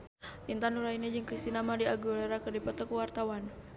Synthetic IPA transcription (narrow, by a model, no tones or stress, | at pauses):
ʔint̪anuɾainad͡ʒəŋkɾist̪inamadiaɡulaɾakərdipat̪ɔkuwart̪awan